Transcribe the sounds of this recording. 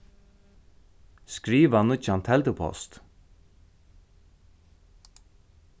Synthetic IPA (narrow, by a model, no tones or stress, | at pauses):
skɾiːʋanʊt͡ʃant̪ʰɛlt̪əpʰɔ̰st̪